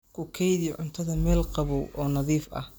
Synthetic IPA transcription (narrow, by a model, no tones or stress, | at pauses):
kʰʊkʰɛjðiʕʊnt̪ʰɐðɐmɛːlqɑβɔwʔɔːnɐðiːfɐ̰h